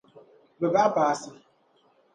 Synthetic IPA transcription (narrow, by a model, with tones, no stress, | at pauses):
be˨ba˦pa˨a˦sa˦